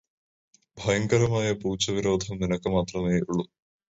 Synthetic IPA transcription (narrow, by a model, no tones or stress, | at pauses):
bʱɐjɐŋkɐɾɐmaːjɐpuːt͡ɕːɐʋiɾo̞ːd̪ʱɐmninɐkːɨmaːt̪rɐmeːuɭːu